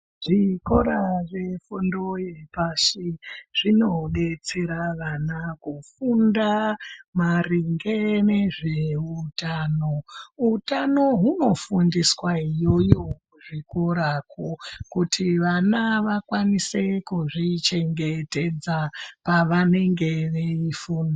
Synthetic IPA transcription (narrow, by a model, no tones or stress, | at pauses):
ʐ̥iko̞ɾaʐefundojepaʃiʐ̥ino̞ɗe̞t͡seɾaʋanakufundamariŋɡene̞ʐeutaːnoutano̞ɦuno̞fundiswaijo̞jo̞uʐikoɾakʰokutʰiʋanaʋakwanise̞kuʐit͡ʃe̞ŋɡe̞te̞d͡zapaʋane̞ŋɡe̞ʋeifuːndo